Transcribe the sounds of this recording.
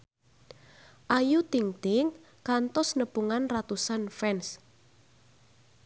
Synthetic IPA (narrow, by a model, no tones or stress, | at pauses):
ʔajut̪iŋt̪ɪŋ | kant̪ɔsnəpuŋanrat̪usanfɛns